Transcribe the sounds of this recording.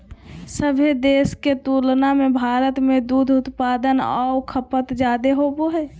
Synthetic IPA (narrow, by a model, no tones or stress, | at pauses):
səbʱed̪eːsket̪uːlnamẽbʱaːɾət̪mẽd̪ud̪ʱʊt̪paːd̪ənɔ̰kʰəpət̪d͡ʒaːd̪eɦoboɦɛː